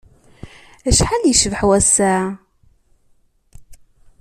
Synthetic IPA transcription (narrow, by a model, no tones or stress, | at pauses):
æʃħaljəʃvħwæsːæ